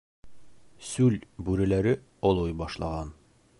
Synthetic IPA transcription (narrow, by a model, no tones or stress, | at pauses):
sʉlbʉɾæ̆læɾɘ | ɒlˠojbɒʃlˠɑ̰ʁɑn